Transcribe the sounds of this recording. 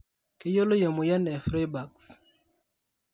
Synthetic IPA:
kɪ˦jo˦lo˦jo˨mo˨ja˦nɛ˨fɾe˦ba˨ks

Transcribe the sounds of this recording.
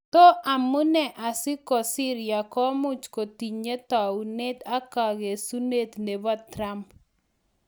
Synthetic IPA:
t̪ɔ˦ʔa˨mu˦nɛ˨ʔa˨sɪ˦kɔ˨sɪ˦ɾɪja˨kɔ˦mʊ˦t͡ʃko˨ti˨ɲe˦t̪a˨u˨ne˦t̪a˦ka˨ɡe˨su˦ne˦t̪ne˨bɔ˦tːɾa˦mp

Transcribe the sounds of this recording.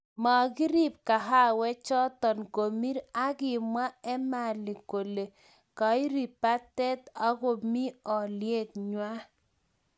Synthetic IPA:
ma˨ɡɪ˦ɾi˦p̚ka˨ɦa˦wɛ˦t͡ʃɔ˦tɔ˨nko˨mi˦ɾa˦ɡɪ˨mwa˦ɛ˦ma˨lɪ˨ko˨le˨ | ka˨˦i˦ɾi˨pa˦tɛ˦ta˦ɡɔ˨mi˦ɔ˨lje˦t̪̚ɲwa˦

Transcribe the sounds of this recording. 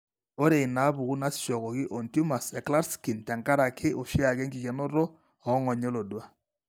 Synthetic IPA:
o˦ɾe˨ɪ˨na˨˦bu˨ku˦na˦sʃɔ˨kɔ˨kɪ˦ʔɔ˨ntu˦ma˨sɛ˨kla˦ɾski˨nta˨ŋka˦ɾa˨kʰɪ˦ʔo˨ʃɪ˦a˨kɛ˦ŋɡɪ˨kɛ˨nɔ˦ɾɔ˦ | ɔ˨˦ŋɔ˨ɲɛ˦lɔ˨dwa˦

